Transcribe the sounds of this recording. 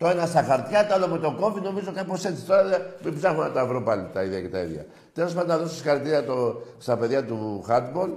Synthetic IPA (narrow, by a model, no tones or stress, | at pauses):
t̪oenɐst̪ɐxɐɾt̪çɐt̪olomet̪o̞ko̞fino̞mizokɐnipose̞t͡si̥t̪o̞ɾɐemibzɐxonɐt̪ɐvɾo̞pɐlit̪ɐiðeɐcet̪ɐḭðɐ̰ | t̪e̞lo̞spɐnd̪onɐðo̞sisixɐɾit̪iɾiɐt̪ost̪ɐpe̞ðʝɐt̪uxɐt̪bo̞l